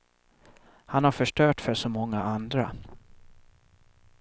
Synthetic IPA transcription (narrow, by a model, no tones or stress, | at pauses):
hanhaɾfœʂʈœːʈfœʂɔmɔŋːaʔand̪ɾa̰